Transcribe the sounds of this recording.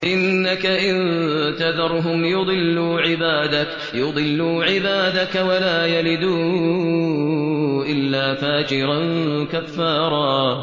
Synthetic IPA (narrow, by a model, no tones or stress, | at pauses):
ʔɪnːakaʔɪnt̪aðɑɾˤɦʊmjʊd̪ˤɨlːuːʕɪbaːd̪ak | jʊd̪ˤɨlːuːʕɪbaːd̪akawalaːjalɪd̪uː | ʔɪlːaːfaːd͡ʒɪɾankafːɑːɾˤɑː